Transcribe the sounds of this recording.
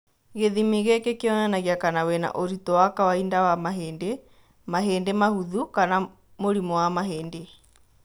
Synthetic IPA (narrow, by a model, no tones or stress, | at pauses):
ɣeðimiɣekekeɔnanaɣiakanawɛna̰ʔoɾitɔwakawaindawamaɦeːnde | maɦeːndemahuðukana | moɾimɔwamaɦeːnde